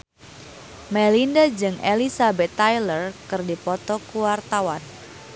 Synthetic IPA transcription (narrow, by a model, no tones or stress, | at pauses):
mɛlindad͡ʒɨŋḛlisabɛt̪ːajlərkɨrdipɔt̪ɔkuwart̪awan